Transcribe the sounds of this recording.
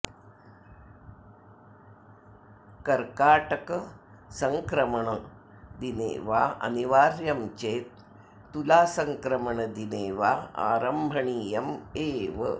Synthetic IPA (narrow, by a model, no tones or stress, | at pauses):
kɐɾkaːʈɐkɐ | sɐŋkɾɐmɐɳɐ | d̪inḛːʋaːɐ̰niʋaːɾjɐmt͡ʃeːt̪̚ː | ulaːsɐŋkɾɐmɐɳɐd̪ineːʋaːa̰ːɾɐmbʱɐɳiːjɐmeːʋɨ̰